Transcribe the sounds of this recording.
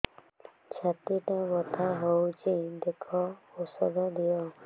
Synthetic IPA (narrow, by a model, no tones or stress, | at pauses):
t͡ʃʰat̪iʈabɔt̪ʰaɦowt͡ʃʰid̪ekʰɔosɔd̪ɔd̪ijɔ